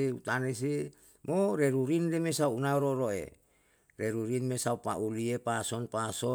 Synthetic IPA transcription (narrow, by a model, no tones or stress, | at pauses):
iut̪anes̬i | moɾeɾuɾinlemesauunaɾoɾoḛ | reɾuɾinmesaupa̰ʔuliepasɔnpaso